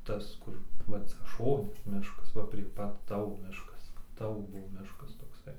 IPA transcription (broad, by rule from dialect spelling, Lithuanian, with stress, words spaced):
ˈtɐs ˈkʊr ˈʋɐ ˈt͡sʲɛ ˈʃoːnʲɪ ˈmʲɪʃkɐs ˈʋɐ pʲrʲiɛ ˈpɐt ˈtɑːʋoː ˈmʲɪʃkɐs ˈtɑːʋoː ˈbʊʋoː ˈmʲɪʃkɐs toːkˈsɐɪ